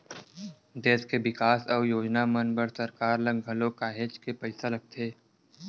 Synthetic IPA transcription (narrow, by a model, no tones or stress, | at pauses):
d̪eːskeʋɪkaːsɔːjoːd͡ʒnamənbəɾsɐɾkaːɾlɐɡɡʱɐlokaːɦeːt͡ʃkepəɪsalɐɡ̚t̪ʰeː